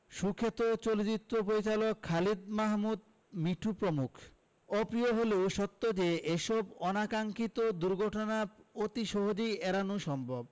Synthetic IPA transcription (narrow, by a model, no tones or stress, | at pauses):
ʃukʰːet̪ot͡ɕolod͡ʑit̪ːɾop̬oɾit͡ɕalokʰːalid̪̚maɦmud̪ | miʈʰupɾomukʰ | ɔpɾioɦoleoʃɔt̪ːod͡ʑeʔeʃɔbɔnakaŋkit̪od̪uɾɡʱɔʈonaot̪iʃoɦod͡ʑiɛɾanuʃɔmbʱob